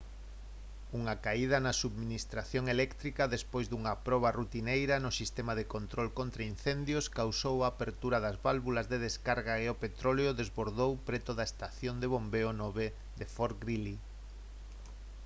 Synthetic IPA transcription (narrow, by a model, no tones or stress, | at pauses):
uŋakaið̞ɐnɐsuβminist̪ɾaθjoŋelɛkt̪ɾikɐðespojzðuŋɐpɾɔβ̞ɐrut̪inejɾɐnʊsist̪emaðekont̪ɾolkont̪ɾainθend̪jʊskawsowaːpeɾt̪uɾɐðɐzβalβulɐzðeðeskaɾɣaeopet̪ɾoleʊðezβoɾðowpɾet̪oðɐest̪aθjond̪eβombeʊnɔβe | d̪efoɾɡɾili